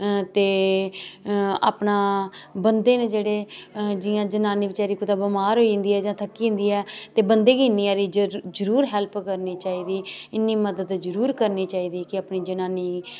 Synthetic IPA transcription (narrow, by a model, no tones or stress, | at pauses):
t̪eː | a̰ːpnãːbənd̪eːneːd͡ʒeːɽeːd͡ʒɪjãːd͡ʒənaːniːʋɪt͡ʃaːɾiːkʊd̪aːbəmaːɾɦoːĩːnd̪iːɛːd͡ʒãːt̪ʰəkːiːɪ̃nd̪iːɛːt̪eːbənd̪eːɡinːijãːɾiːd͡ʒəɾuːɾɦɛlpkəɾniːt͡ʃaːiːd̪iːɪnːiːməd̪əd̪zəɾuːɾkəɾniːt͡ʃaːiːd̪iːkɪaːpniːd͡ʒənaːniː